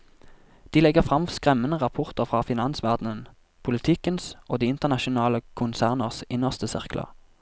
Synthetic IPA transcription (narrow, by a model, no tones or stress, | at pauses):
d̪̥iːlɛɡəʁfʁɑmskʁɛmːənəʁɑpʰʊʁt̪əʁfʁɑːfɪnɑnsʋæʁd̪nən | pʰʊlɪt̪ʰɪkənsʔoːd̪iːɪnt̪əʁnɑʃʊnɑːləkʰʊnsæːʁnəʁsɪnəʁst̪əsɪ̰ʁklə̰